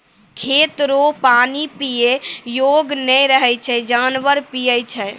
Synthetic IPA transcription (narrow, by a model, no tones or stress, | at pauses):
kʰet̪ɾopanipijejoɡnɛjɾəɦɛt͡ʃʰɛd͡ʒanʋəɾpijət͡ʃʰɛ